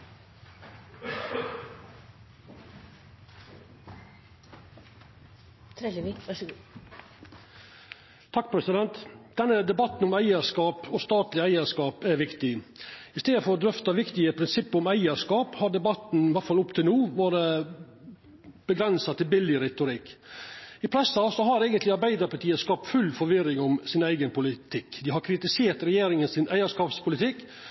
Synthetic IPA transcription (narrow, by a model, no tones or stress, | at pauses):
t̪ʰɾɛlʋikʋɑʂɡu | t̪ʰɑk̚ːpʰɾɛsɪd̪ɛnt̪d̪̥ɛnːəd̪ɛbɑt̪n̩ʊmæɪəʂkɑːpɔst̪ɑːt̪lɪæɪəʂkɑːpæɾʋɪkt̪ɪɪst̪eːd̪əfɔɾɔd̪ɾʏft̪ɑʋɪkt̪ɪəpʰɾɪnsɪpːʊmæɪəʂkɑːphɑɾɖ̪ɛbɑt̪n̩ʋæʈfɑlʊpt̪ʰɪlnuːʋɑːɾə | b̥əɡɾɛnsɑt̪ʰɪlbɪlːɪɾɛt̪ʊɾɪkː | ɪpʰɾɛsːɑsɔɦɑɾeːɡənt̪lɪɑɾbæɪd̪əɾpʰɑʈ̪iːəskɑp̚t̪fʉlːfɔɾʋɪɾɪŋʊmsɪnæɪɡənpʰʊlɪt̪ʰɪkːd̪ɪɦɑɾkʰɾɪt̪ɪseːɾt̪ɾɛjeːɾɪŋənsɪnʔæɪəʂkɑːpspʰʊlɪt̪ʰɪkː